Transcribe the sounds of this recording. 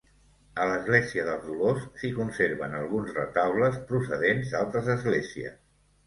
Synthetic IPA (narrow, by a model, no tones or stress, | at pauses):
ələzɣleziəðəlˠzðulosːikunseɾβənəlˠɣunzrət̪awləspɾusəðenzd̪alˠt̪ɾəzəzɣleziə̰s